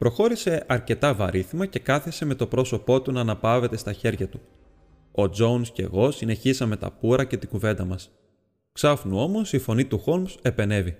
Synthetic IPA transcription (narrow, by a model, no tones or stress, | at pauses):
pɾo̞xo̞ɾise̞ʔɐɾce̞t̪ɐvɐɾiθimɐce̞kɐθese̞me̞t̪o̞pɾo̞so̞po̞t̪unɐːnɐpɐve̞t̪e̞st̪ɐçe̞ɾʝɐt̪u | o̞d͡zo̞unsce̞̰ɣo̞sine̞çizɐme̞t̪ɐ̰puɾɐce̞t̪iɡuve̞nd̪ɐmɐs | ksɐfnuo̞mo̞sifo̞nit̪uxo̞lmse̞pe̞ne̞vi